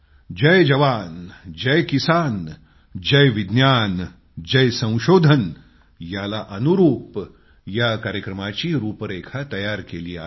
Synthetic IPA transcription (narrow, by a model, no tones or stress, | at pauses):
d͡ʒɐjd͡ʒɐʋaːnd͡ʒɐjkisaːn | d͡ʒɐjʋɪd̪njaːn | d͡ʒɐjsɐ̃w̃ʃoːd̪ʱən | jaːlaʔɐnuɾuːp | jakaːɾjəkɾɐmat͡ʃiɾuːpəɾeːkʰat̪ɐjaːɾkelia̰ː